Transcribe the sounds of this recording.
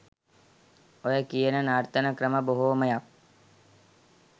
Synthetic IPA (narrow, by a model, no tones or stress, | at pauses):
ojəkijənənaɾt̪ənəkɾəməboɦoːməjak̚